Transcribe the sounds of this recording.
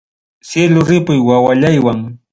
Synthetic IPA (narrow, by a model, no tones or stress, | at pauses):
sjelʊɾɪpʊjwawaʎajwaŋ